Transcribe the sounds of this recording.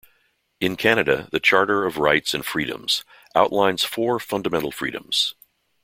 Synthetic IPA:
ɨ̃nkʰæñɨɾɨ̰ðɨt͡ʃʰɑɹɾə˞ʌvɹaɪtsɨ̃nfɹiɾɨ̰̃mz̥ | ʔaʊʔlãɪ̃nz̥fɔɹfʌ̃ndəmɛ̃ñl̩ˠfɹḭɾɨ̰̃mz̥

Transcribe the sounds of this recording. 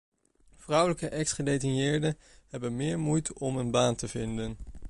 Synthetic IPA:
v̥rʌwləkəʔɛksχədejtɪnjɪːɹdə | ɦɛbənmɪːɹmujtɔmənbaːntəvɪndən

